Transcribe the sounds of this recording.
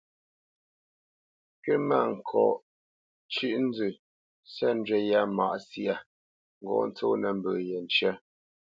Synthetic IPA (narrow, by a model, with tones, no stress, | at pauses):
kɛ˦ma˦˨ŋ̩˨kʰɔ̰˨ʔ | t͡ʃʉ˦ʔn̩˦d͡zʉ˨ | sɛ˦n˦d͡ʒɛ˦ja˦˨ma̰˨ʔsi˦a˨ | ŋ̩˨ɡɔ̰˨n˦t͡so˦nɛ˨m˨bə˨jɛ˨n˨t͡ʃɛ˦